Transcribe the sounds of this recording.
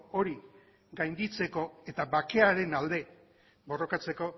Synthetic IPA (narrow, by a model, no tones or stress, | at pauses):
o̞ɾi | ɡajnd̪it͡se̞ko̞e̞t̪aβake̞aɾe̞nald̪e̞ | bo̞ro̞kat͡se̞ko̞